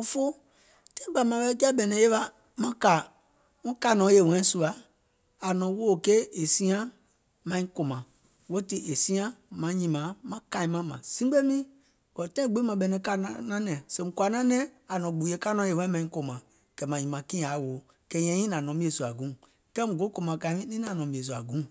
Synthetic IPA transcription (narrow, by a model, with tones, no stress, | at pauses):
o˧˦fo˦ | tɛ̃˦ɡ͡ba˨mã˨bɛ˦d͡ʒa˦bɛ˨nɛ̃˨˦je˦ɓa˧ | mã˦ka˨ | ŋũ˦ka˦˨nɔ̃˨˦je˨wɛ̃˨˦su˧a˨ | a˨nɔ̃˨wo˦˨ke˦e˨sĩ˦ã˦ | mã˧ĩ˦ko˨mã˨ | wo˦ti˧ʔe˨sĩ˦ã˦mã˨˦ɲĩ˧mã˨˦mã˨˦ka˧˨i˧mã˦mã̰˨sĩ˦ɡ͡be˦mĩ˦ | kɔ˨tɛ̃˦ĩ˦ɡ͡be˨˦mã˧ɓɛ˧˨nɛ̃˧˦ka˦˨n˦nã˦nɛ̃˨sẽ˨ŋ̩˦kwa˨nã˦nɛ̃˦ | a˨nɔ̃˨ɡ͡bu˨˦e˦ka˦nɔ̃˨˦je˨wɛ̃˦mã˧˨ɲĩ˦ko˨mã˨ | kɛ˨mã˨ɲĩ˨mã˨kĩ˦˨a˨˦˨woː˨ | kɛ˧˦ɲɛ̃˧˦ɲĩ˦nã˨nɔ̃˨˦mĩ˦e˨su˨a˨ɡũ˨˦ | kɛ˦ŋu˨ɡo˨˦ko˧mã˨ka˧˨˦mĩ˦nĩ˦nã˨nɔ̃˨bĩ˨e˨s̬u˨a˨ɡũ˨˦